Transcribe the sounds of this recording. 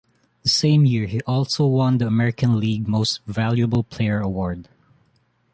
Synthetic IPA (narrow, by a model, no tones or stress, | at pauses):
ðəsẽɪ̃mjɪɹhiʔɔlˠsoʊwʌ̃nd̪iɐmɛɹɪkə̃nliɡ̚moʊstvælˠjəbəl̩ˠpʰl̥eɪə˞əwɔɹd